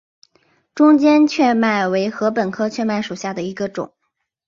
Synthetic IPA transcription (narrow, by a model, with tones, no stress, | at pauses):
ʈ͡ʂʊ˥ŋt͡ɕjɛ˥nt͡ɕʰɥɛ˥˧ma˥˩ɪwe˧˥ɪxɤ˧˥pə˨˩nkʰɤ˥t͡ɕʰɥɛ˥˧ma˥˩ɪʂu˨˩ɕja˥˩d̪ə˩i˧˥ɡə˧ʈ͡ʂʊ̰˨˩˦ŋ